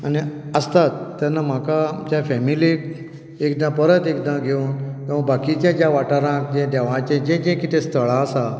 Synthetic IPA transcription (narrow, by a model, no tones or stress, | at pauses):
aniəst̪at̪ːjanːam̤akad͡ʑjafɛmilik | ekɖ̪ãpəɾət̪ekd̪ãɡʱeuːnk̪ĩʋ̤ə̃kbakit͡ɕjãd͡ʑjaʋaʈaɾãkd͡ʑẽd̪ɛʋãt͡ɕẽd͡ʑẽd͡ʑẽkit̪ʰẽst̪ʰəɭaəsa